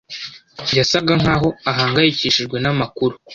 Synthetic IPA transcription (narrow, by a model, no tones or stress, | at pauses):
jasaɡaŋ̥haːɦo̞aɦaːŋɡajiciʃiʒɡwe̞namakuɾu